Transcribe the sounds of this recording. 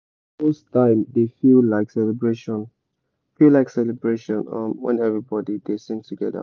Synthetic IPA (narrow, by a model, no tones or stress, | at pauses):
mostʰãɪ̃mdefillaɪksɛlɛbɹeʃɔ̃n | filaɪksɛlɛbɹeʃɔ̃nʌ̰̃mwɛ̰̃nɛvɹibɔdidesɪ̃ŋtʰuɡɛdə̰